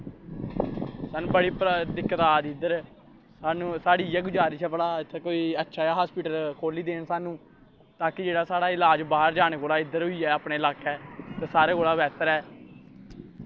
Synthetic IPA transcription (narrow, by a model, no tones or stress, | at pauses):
saːnũːbəɽiːpɾət̪ɪkːət̪aːd̪iːd̪əɾ | saːnũːsaːɽiːɛːɡʊd͡ʒaːɾiːt͡ʃɛːbəɽaːɪt̪ʰːɛːkoːiːətːʃʰaːaːɦaːspiːʈəɾkʰoːliːd̪eːnsaːnũː | t̪aːkɪd͡ʒeːɽaːsaːɽaːɪlaːd͡ʒbaːɦəɾd͡ʒaːneːkoːlaːɪd̪əɾɦʊiːɛːaːpɳeːɪlaːkɛːt̪ɛːsaːɾeːkoːlaːʋɛːt̪əɾɛː